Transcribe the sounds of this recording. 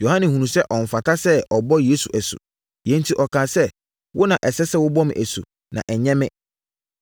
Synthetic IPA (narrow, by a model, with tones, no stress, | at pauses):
jo˨hã˦nɪ̃˨hũ˨ũ˨sɛ˦ʔɔ˨m̩˨fa˨tʰa˦sɛ˦ɔ˨bɔ˦jeː˦su˨ʔæ˨sʊ̰˨ | jɛ̃˦n̩˦tʰi˦ʔɔ˨kʰãː˨sɛ˦ | wʔʊ˦nã˨ʔɛ˨sɛ˦sɛ˦wʊ˦bɔ˦mɪ̰̃˨ʔæ˨sṵ˨ | nʔã̰˨ʔɛ˨ɲɛ̃˦mɪ̃˦